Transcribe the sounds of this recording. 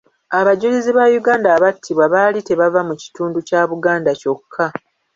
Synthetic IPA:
aβaɟuliziβajuɡaːndaːβatʰːiβwaβalite̞βavamuci̥tuːnducaːβuɡaːndaco̞kʰːa

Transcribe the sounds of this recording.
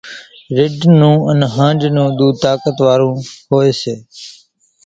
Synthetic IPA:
ɾɪɖnũːənɦãːd͡ʒnũːd̪uːt̪aːkət̪ʋaːɾũːhoːeːseː

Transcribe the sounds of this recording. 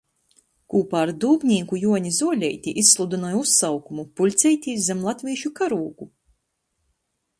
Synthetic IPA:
kuːpaːɾd̪uːbʲɲʲiːkujuɔɲizuɔlʲɛjt̪ʲiʔisslˠud̪unɔjusːawkumupulʲt̪sʲɛjt̪ʲiːzɛmlˠat̪ʲviɛʃukaɾuːɡu

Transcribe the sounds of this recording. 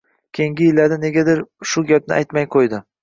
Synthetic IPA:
kʲʰejiŋɡʲɪjɪlːaɾd̪ane̞ɡʲad̪ɪɾʃʊɡʲap̚nɪ̰ʔa̰jt̪majqʰojd̪ɪ

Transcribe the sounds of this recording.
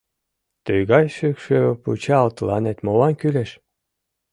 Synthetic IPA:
t̪øjɣɑjʃykʃøpṵt͡ɕɑːlt̪lɑnet̪mowɑnkyleʃ

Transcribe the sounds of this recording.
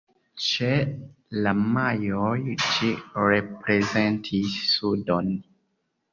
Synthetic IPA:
t͡ʃe | lamajojd͡ʒiɾepɾezentʰisːudon

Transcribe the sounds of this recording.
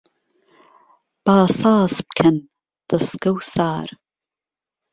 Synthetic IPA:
b̥aːsaːsp̚kʰən | ðəskowsaːɾ

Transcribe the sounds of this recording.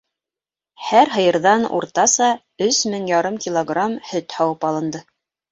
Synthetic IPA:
hæɾɦɤ̆jɤ̆ɾðɑnṵɾt̪ɑsɑ | ɵsmɘŋjɑɾɤmkʲilˠoɡramhɵt̪hɑwɤpɑlˠɤ̆nd̪ɤ

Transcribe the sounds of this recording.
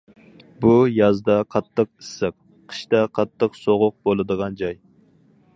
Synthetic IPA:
bujɑzd̪ɑqʰɑt̪ʰːəq̚isːɨq̚ | qʰə̥ʃt̪ɑqʰɑt̪ʰːəqsoʁʊq̚bolˠɨd̪əʁɑnd͡ʒɑj

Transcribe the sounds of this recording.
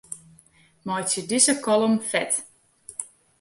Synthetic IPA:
mɔjtjədizəkɔlˠɔmfɛt

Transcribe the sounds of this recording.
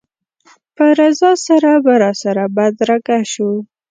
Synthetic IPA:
pəɾazɑsaɾabaɾɑsaɾabad̪ɾakaʃu

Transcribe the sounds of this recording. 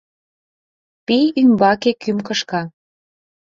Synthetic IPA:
pijymbɑkekymkɤ̆ʃkɑ

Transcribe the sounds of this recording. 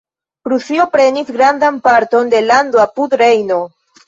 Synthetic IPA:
kɾusiopɾe̞nisɡɾandanpaɾto̞nde̞landoapudɾe̞jno̞

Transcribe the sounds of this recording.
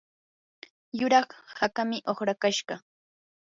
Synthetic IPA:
jʊɾɑχhakamɪʔoχɾakaʃɢɑ

